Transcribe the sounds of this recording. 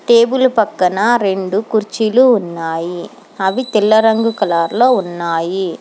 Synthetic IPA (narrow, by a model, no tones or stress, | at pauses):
ʈeːbɯlpɐkːɐnaɾɛɳɖɯkʊɾt͡ʃːɪlɯʊnːaːji | ɐʋit̪ɪlːɐɾɐŋɡɯkɐlaːɾloːʊnːaːji